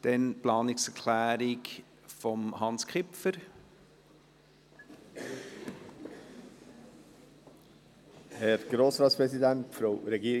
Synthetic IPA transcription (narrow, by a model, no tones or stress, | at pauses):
d̥ɛnplɑːnɪksɛkʰlæːɾɪk | fɔmhɑnskχɪpfəɾ | hɛɾɡ̥ɾoːsɾɑːt̪spɾɛsid̪æntfɾoʊɾɛɡiː